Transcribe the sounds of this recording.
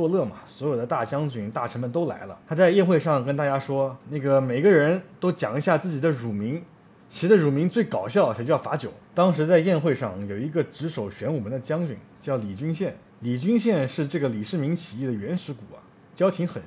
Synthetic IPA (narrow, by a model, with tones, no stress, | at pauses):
wɔ˥˧lɤ˥˩mɐ̰˩swɔ˧˥jo˨˩ʊd̪ə˦t̪a˥˩t͡ɕjɑ˥ŋt͡ɕy˨˩nt̪a˥˩ʈ͡ʂʰə˧˥mə˧nt̪o˥ʊla̰˧˥ɪlə̰˧t̪ʰa˥t͡sa˥˧ɪjɛ˥˧nxwe˥˧ɪʂɑ˥˩ŋkə˥nt̪a˥˩t͡ɕja˥ʂwɔ˥na˥˩ɡə˩me˨˩ɪɡə˧ɻə˧˥nt̪o˥ʊt͡ɕjɑ̰˨˩ŋi˧˥ɕja˥˧t͡sɹ̩˥˩t͡ɕi˨˩d̪ə˦ɻu˨˩mi˧˥ŋ | t͡ɕʰi˧˥ʂɻ̩˥˧˥d̪ə˧ɻu˨˩mi˧˥ŋt͡swe˥˩ɪkɑ˨˩ʊɕjɑ˥˩ʊi˧˩t͡ɕjfa˧˥t͡ɕjo˨˩˦ʊt̪ɑ˥ŋʂ̬ɻ̩˧˥t͡sa˥˧ɪjɛ˥˧nxwe˥˧ɪʂɑ˥˩ŋjo˨˩ʊi˧˥ɡə˧ʈ͡ʂɻ̩˧˥ʂo˨˩ʊɕɥɛ˧˥nwu˨˩mə˧˥nd̪ə˧t͡ɕjɑ˥ŋt͡ɕy̰˨˩˦nt͡ɕjɑ˥˩ʊli˨˩t͡ɕy˥nɕjɛ˥˩n | li˨˩t͡ɕy˥nɕjɛ˥˧nʂɻ̩˥˧ʈ͡ʂɤ˥˩ɡə˩li˨˩ʂɻ̩˥˩mi˧˥ŋt͡ɕʰi˨˩i˥˩d̪ə˩ɥɛ˧˥nʂɻ̩˧˥ku˨˩˦ɐ̰˦ | t͡ɕjɑ˥ʊt͡ɕʰi˧˥ŋxə˨˩n